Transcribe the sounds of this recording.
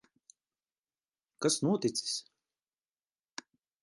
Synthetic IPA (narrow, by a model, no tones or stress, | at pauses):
kasnuɔt̪it̪si̥s